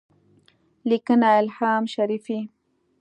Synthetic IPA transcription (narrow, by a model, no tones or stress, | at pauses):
likənaɪlħaːmʃaɾifi